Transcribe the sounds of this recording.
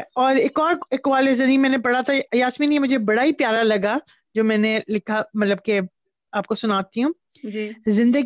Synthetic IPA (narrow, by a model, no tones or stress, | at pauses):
ɔːɾeːkɔːɾekʋaːlezɐnĩːmɛ̃ːnepɐɽ̤at̪ʰajaːsmiːnɛmʊd͡ʒʱebɐɽaipjaːɾalɐɡa | d͡ʒoːmɛ̃ːnelɪkʰamɐt̪ləb̚ke | aːp̚kosʊnaːt̪iɦũː | d͡ʒzɪ̃nd̪əɡ